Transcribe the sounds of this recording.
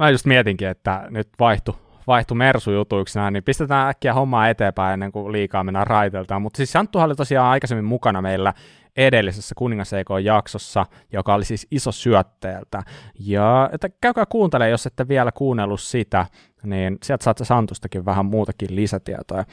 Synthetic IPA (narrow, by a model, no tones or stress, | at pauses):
mæjust̪miɛt̪iŋkiet̪ːænyt̪ʋɑiht̪u | ʋɑiht̪umersujut̪uiksnæinnimpist̪et̪æːækːiæhomːɑːet̪eːmpæienːeŋkuliːkɑːmenærɑit̪elt̪ɑːmut̪ːsiːssɑnt̪ːuhɑolit̪osiɑːnɑikɑsemːimmukɑnɑmeilːæ | edelːisesːækuniŋːɑseikojjɑksosːɑ | jokɑolisiːsisosyœt̪ːeːlt̪æjɑet̪ːækæykøæːkuːnt̪eleːjoset̪ːeʋʋiælækuːnːelːussit̪æ | niːnsiælt̪sɑːt̪sesɑnt̪ust̪ɑkiʋʋæhæmmuːt̪ɑkillisæt̪ḭæ̰t̪ojɑ